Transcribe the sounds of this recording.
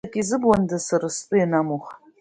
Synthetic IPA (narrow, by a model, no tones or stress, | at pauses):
kʲʼizɨbwandasaɾast͡sʼʊjanamoχ